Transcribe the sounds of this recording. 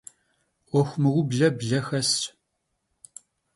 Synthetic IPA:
ʔʷɔxʷmɨʁʷʊbɮɐbɮɐxɐs

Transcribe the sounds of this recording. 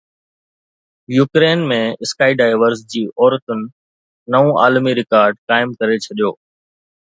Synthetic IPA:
juːkɾeːnmẽɪskaːiɖaːɪʋəɾzd͡ʑiːʔɔːɾət̪ʊnɪ̆ | nɐʋũʔa̰ːlmiɾɪkaːɾɖkaːɪmkɐɾet͡ɕʰɐɗijoː

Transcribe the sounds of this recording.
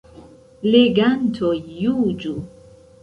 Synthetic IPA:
leɡantʰojud͡ʒu

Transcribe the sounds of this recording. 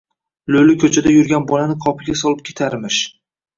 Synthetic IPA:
lɵlɪkʲʰɵt͡ʃʰad̪ajʊɾɡʲanbɒlanɪqʰɒpʰɪɡʲasɒlˠɪp̚kʲʰe̥t̪ʰaɾmɪʃ

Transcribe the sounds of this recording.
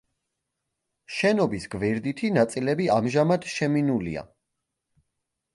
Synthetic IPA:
ʃɛnɔbisɡvɛɾd̪it̪ʰinat̪sʼilɛbiamʒamad̪ʃɛminulḭa̰

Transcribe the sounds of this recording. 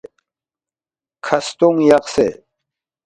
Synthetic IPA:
kʰɐst̪uŋjɐqsḛ

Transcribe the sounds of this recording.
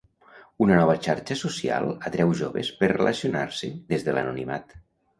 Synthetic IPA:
unənɔβ̞ət͡ʃaɾt͡ʃəsusia̰lˠət̪ɾɛwʒoβḛspəɾrelʔəsionaɾsəðezðələ̰nunima̰t̪

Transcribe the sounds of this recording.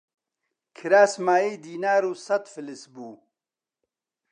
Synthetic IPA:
kʰiɾaːsmaːiːd̪iːnaːɾuːsɐt̪filisbuː

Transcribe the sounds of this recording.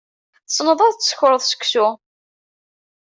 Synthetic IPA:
θə̥sˤnəðˤɑðˤsəçʊɾəðˤsə̥kʷːsu

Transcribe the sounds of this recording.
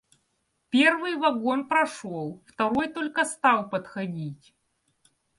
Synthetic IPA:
pʲervɨjvɐɡonpɾɐʂolˠft̪ɐɾojt̪olʲkəst̪ɑlˠpɐt̪xɐdʲitʲ

